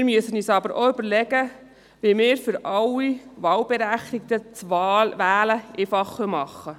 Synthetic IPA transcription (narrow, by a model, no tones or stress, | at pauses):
mɪɾmyəsənyːsɑbəɾʔoʏbəɾlɛɡə | ʋimɪːɾfʏɾɑlːiʋɑːlbɛɾæχt̪ɪk̚t̪ət͡sɑʋæːləʔefɑχœmɑχːə